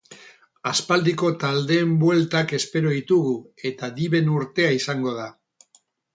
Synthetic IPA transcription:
aspald̪iko̞t̪ald̪e̞ːmbwe̞lt̪ake̞spe̞ɾo̞ðit̪uɣue̞t̪aðiβe̞nuɾt̪e̞aisaŋɡo̞ð̞a

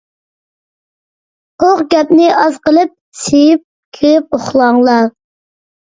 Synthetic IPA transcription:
oʁɡʲɛpnɪʔɑzqəlˠɨp̚ | sejip̚ | kʲʰeʁɪp̚oχlˠɑŋlˠɑ

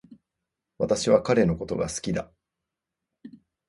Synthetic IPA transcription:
βat̪aɕiβakaɾe̞no̞ko̞t̪o̞̰ɡasɨ̥kʲid̪a

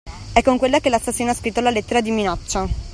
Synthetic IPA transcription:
ɛkːoŋkwelːakelastːasːjoːneaskɾit̪ːolalet̪ːeɾad̪iminɔt͡ʃːa

